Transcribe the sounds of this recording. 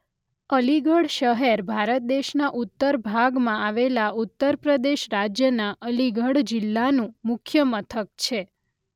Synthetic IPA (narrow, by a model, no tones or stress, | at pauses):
əliɡəɽʃəɦɛɾbʱaɾət̪̚d̪eʃnaʔut̪ːəɾbʱaɡmãaʋelaʔut̪ːəɾpɾəd̪eʃɾad͡ʒjənaʔəliɡəɽd͡ʒɪlːanũmʊkʰjəmət̪ʰək̚t͡ʃʰe